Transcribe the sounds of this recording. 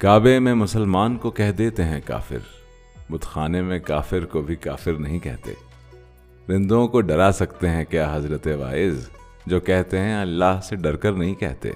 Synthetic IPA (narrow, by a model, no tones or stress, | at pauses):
kaːbemẽmʊsəlmaːnkokɛɦd̪eːt̪eɦɛ̃ka̰ːfɪ̰ɾ | bʊd̪xaːnemẽkaːfɪɾkobʱikaːfɪɾnɐɦĩkɛ̰ɦt̪ḛː | ɾɪ̃nd̪õkoɖɐɾasɐkt̪eɦɛ̃kjaːɦɐzɾət̪eʋa̰ːɪz | d͡ʒoːkɛɦt̪eɦɛ̃ɐlːaɦseɖɐɾkɐɾnɐɦĩkɛ̰ɦt̪ḛː